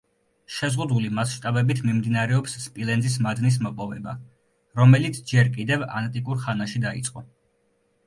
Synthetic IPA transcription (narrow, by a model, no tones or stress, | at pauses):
ʃɛzʁud̪ulimasʃt̪ʼabɛbit̪ʰmimd̪inaɾɛɔpsːpʼilɛnzis̬mad̪nis̬mɔpʼɔvɛba̰ | ɾɔmɛlit̪sʰd͡ʒɛɾkʼid̪ɛva̰nt̪ʼikʼuɾχanaʃid̪ait̪sʼqʼɔ